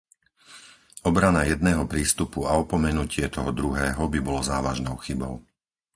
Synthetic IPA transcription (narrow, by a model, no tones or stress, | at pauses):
ɔbɾanajɛd̪̚nɛːɦɔpɾiːst̪upuaɔpɔmɛnucɪɛt̪ɔɦɔd̪ɾuɦɛːɦɔbibɔlɔzaːʋaʒnɔʊxibɔ̰ʊ